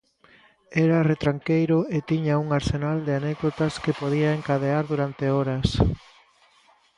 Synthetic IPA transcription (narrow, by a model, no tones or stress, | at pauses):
ɛɾɐret̪ɾaŋkejɾʊet̪iɲauŋaɾsenald̪eanɛkðot̪ɐskepoðiaeŋkaðeaɾðuɾant̪eɔɾɐs